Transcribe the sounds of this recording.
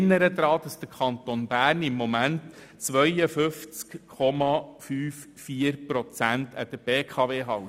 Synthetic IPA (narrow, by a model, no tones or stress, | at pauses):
nːəɾəd̪ɾɑːd̥ɑsd̥əkʰɑnt̪onbæːrnɪmːɔmæntː | t͡sʋœjəfʏft͡skʰɔmɑfyːf | fiːəɾpɾɔt͡sæntʰəd̥̪əb̥eːkʰɑʋeːɦɑw